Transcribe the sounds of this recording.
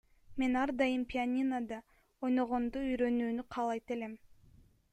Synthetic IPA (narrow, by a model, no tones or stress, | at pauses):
me̞nɑɾd̪ɑjɯmpʲɪanʲinad̪ɑ | ojno̞ʁo̞nd̪uyjɾø̞nyːnyqʰɑːlˠɑjt̪e̞le̞m